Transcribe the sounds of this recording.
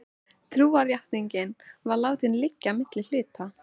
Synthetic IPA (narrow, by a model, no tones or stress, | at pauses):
t̪ʰɾuːaɾjaht̪niɲcɪnvaɾlaːwt̪ɪnlɪcːamɪt̪lɪl̥ʏːt̪a